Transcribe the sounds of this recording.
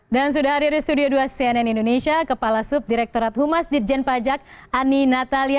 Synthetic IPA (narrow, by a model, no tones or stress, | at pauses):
dans̬udahadirist̪udioduasiɛnɛnindonesiakəpalasup̚diɾɛk̚t̪oɾat̪̚humasdit̪̚d͡ʒɛnpad͡ʒak̚aninat̪alia